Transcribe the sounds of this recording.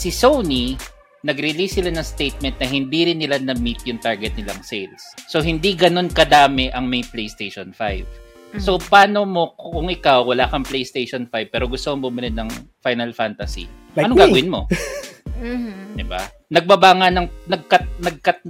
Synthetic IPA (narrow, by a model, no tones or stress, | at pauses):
sɪsowni | nɐɡɾɪlisːɪlanɐŋst̪ejt̪̚mɛnt̪̚nɐɦɪnd̪iɾɪnːɪlanɐmit̪̚jʊŋt̪aɹɡɛt̪̚nɪlaŋsejlsːo̞ɦɪnd̪iɡɐno̞nkɐd̪aːmɛʔɐŋmɐjplejst̪ejʃonfajv | so̞paːnomo̞kkʊŋʔɪkawwɐlaːkɐŋplejst̪ejʃonfajv̚pɛːɾoɡʊst̪omoŋbʊmɪlɪnɐŋfajnɐlfant̪ɐsḭ | ɐnoŋɡaːɡɐwɪnmo̞̰ | d̪ɪba̰ | nɐɡ̚bɐbaːŋɐnɐŋnɐɡ̚kɐt̪̚nɐɡ̚kɐt̪̚